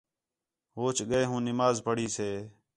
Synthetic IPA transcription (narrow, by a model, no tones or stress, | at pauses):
ɦoːt͡ʃɠəeːɦũːnɪmaːzpəɽiːseː